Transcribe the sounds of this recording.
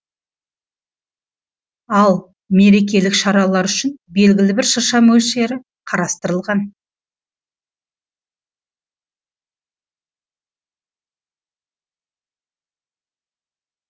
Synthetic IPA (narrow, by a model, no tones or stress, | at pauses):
ɑlˠ | me̞ɾe̞k̬ʲe̞lɪkʃɑɾɑlˠɑɾʏʃɪnbe̞lɡʲɪlɪbɪɾʃəɾʃɑmɵlʃe̞ɾɪ | qʰɑɾɑst̪əɾəlˠʁɑn